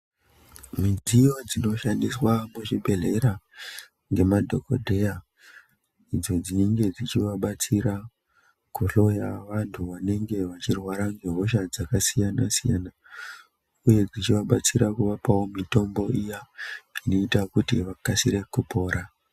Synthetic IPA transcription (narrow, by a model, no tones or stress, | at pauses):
mid͡zijo̞d͡zino̞ʃandiswamuʐibʱe̞ɮe̞ɾa | ŋɡe̞madʱo̞ko̰dʱe̞ja | id͡zo̞d͡ziiŋɡe̞d͡zit͡ʃiʋaɓat͡siɾa | kuɬo̞jaʋantʰuʋane̞ŋɡe̞ʋat͡ʃirwaɾaŋɡeɦoʃad͡zakasijanasija̰na | uje̞d͡zit͡ʃiʋaɓat͡siɾakuʋapawomito̞mbo̞ijaino̞itakutiʋakasiɾe̞kupo̞ːɾa